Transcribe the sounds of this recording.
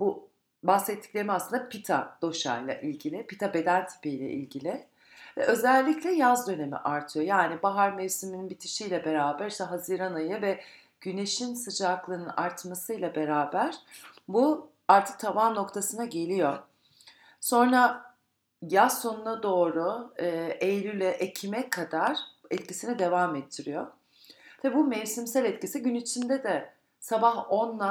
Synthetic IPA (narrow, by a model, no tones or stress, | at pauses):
bu | bahsɛt̪ʰːi̥clʲe̞ɾimiaslˠɯnd̪apit̪ʰad̪̥o̞ʃa̰ɾlˠa̰ʔilʲɟilʲɪpit̪ʰabe̞d̪ænʲt̪ʰi̥pijlʲɛ̰ʔḭlʲɟilʲɪ | vɛ̰ʔø̞zælʲːiclʲɛjazd̪ø̞ne̞mḭʔaɾt̪ʰɯjo̞jaːnibaɦaɾmevsimininbit̪ʰi̥ʃijlʲɛbe̞ɾaːbæɾiʃt̪ɛɦaziɾanajɯvɛ | ɟ̥yne̞ʃinsɯd͡ʒaklˠɯnɯnaɾt̪masɯjlʲˠabe̞ɾaːbæɾ̥bu | aɾt̪ʰɯ̥k̚t̪ʰavaːno̞kt̪ʰasɯnaɟe̞lʲijo | so̞nɾa | jao̞nunad̪o̞ːɾuɯːʔejlʲylʲɛʔecʰimɛkʰad̪aɾ̥ɛt̪cisinid̪e̞vamɛt̪ʰːiɾijo | bibumɛvsimsælʲɛt̪cisiɟynit͡ʃʰind̪ɛd̪ɛ | sabaɦo̞nlˠa